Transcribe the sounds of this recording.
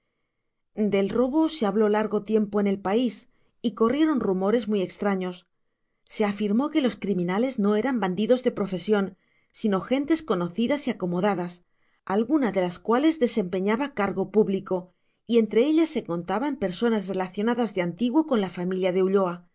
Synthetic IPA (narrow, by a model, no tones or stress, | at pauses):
d̪e̞lro̞βo̞se̞aβlo̞laɾɣo̞t̪je̞mpo̞ene̞lpais | iko̞rje̞ɾo̞nrumo̞ɾe̞zmuije̞kst̪ɾaɲo̞sː | e̞afiɾmo̞ke̞lo̞skɾimĩnale̞zno̞e̞ɾamband̪iðo̞zðe̞pɾo̞fe̞sjo̞n | sino̞xe̞nt̪e̞sko̞no̞θiðasiako̞mo̞ðaðas | alɣunaðe̞laskwale̞zðe̞se̞mpe̞ɲaβakaɾɣo̞puβliko̞ | ie̞nt̪ɾe̞e̞ʎasːe̞ko̞nt̪aβampe̞ɾso̞nasre̞laθjo̞naðazðe̞ant̪iɣwo̞ko̞nlafamiljað̞e̞uʎo̞a